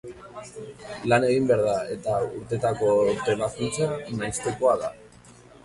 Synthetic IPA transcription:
lane̞ɣ̞imbeaɾð̞ae̞t̪auɾt̪e̞t̪ako̞t̪eβaskint͡sanajst̪e̞ko̞aða

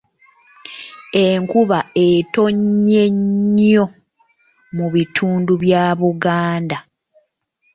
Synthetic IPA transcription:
eŋkuβae̞to̞ɲːe̞ɲo̞ | muβitʰuːnduβjaːβuɡaːnda

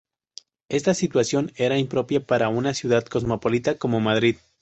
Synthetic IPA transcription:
e̞st̪asit̪wasjo̞ne̞ɾaimpɾo̞pjapaɾaunasjuð̞aðko̞zmo̞polit̪ako̞mo̞maðɾið

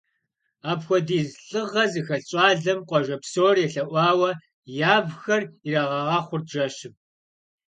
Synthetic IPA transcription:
aːpxʷɔdiːzɬʼɨʁɐzɨxɐɬɕʼɑːɮɐmqʷʼɔʒɐpsoːrjɛɬɐʔʷɑːwɐ | jaːbxɐrirɐʁɐʁɑːχʷʊrʒɐʃɪp

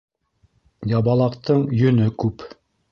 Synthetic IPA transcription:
jɑβɑlˠɑqt̪ɤɴjɵ̆nɵkʉp

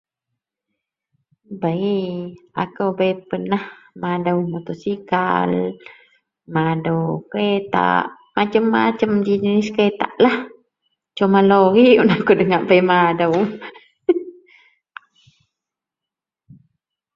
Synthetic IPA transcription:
baia̰kəwbajpənahmadəwmut̪osika̰l | madəwkɾet̪a̰ʔ | mat͡ʃəmːat͡ʃəmd͡ʒid͡ʒənisket̪a̰ʔlah | t͡ʃomaloɾiunakudəŋaʔbaimadəw

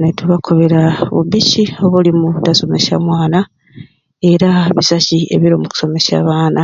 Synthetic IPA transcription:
netuβakʰo̞βe̞ɾaβṵbicio̞βulimutaso̞me̞ʃa̰mwaːna | e̞ɾaβisaciḛβiɾomuku̥so̞me̞ʃa̰ːβaːna

